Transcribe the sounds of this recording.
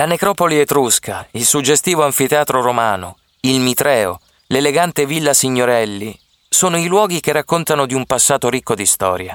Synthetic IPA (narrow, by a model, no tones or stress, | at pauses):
lanekɾɔpoliet̪ɾuskʰailsud͡ʒːest̪iːvoaɱfit̪eaːt̪ɾoɾomaːno̰ | ilmit̪ɾɛːo̰ | leleɡant̪evilːasiɲːoɾɛlːi | soːnoilwɔːɡik̟erːakːont̪anod̪iumpasːaːt̪oɾikːod̪ist̪ɔ̰ːɾja